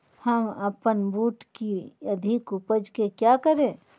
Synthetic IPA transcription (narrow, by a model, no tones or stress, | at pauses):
həməpənbuːʈkiəd̪ʱɪkupəd͡ʒkekjakəɾẽː